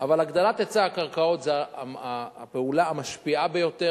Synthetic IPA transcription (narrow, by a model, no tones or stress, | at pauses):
avalaɡd̪alat̪et͡saːkaʁkao̞t̪zeaapeulaamaʃpiabejo̞t̪e